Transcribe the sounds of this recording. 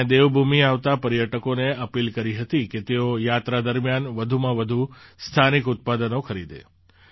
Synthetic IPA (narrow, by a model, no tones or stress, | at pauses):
d̪eʋbʱumiaʋt̪apəɾjəʈəkoneəpilkəɾiɦət̪iket̪eojat̪ɾad̪əɾmjanʋəd̪ʱumãʋəd̪ʱust̪ʰanikut̪̚pad̪ənokʰəɾid̪ḛ